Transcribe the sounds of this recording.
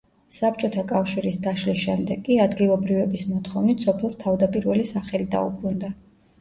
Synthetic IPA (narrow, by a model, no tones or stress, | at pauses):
sap̚t͡ʃʼɔt̪ʰakʼafʃiɾisd̪aʃlisʃɛmd̪ɛkʼːiad̪ɡilˠɔbɾivɛbismɔt̪ʰχɔvnit̪ʰsɔpʰɛlˠst̪ʰavd̪apʼiɾvɛlisaχɛlid̪a̰ṵbɾund̪a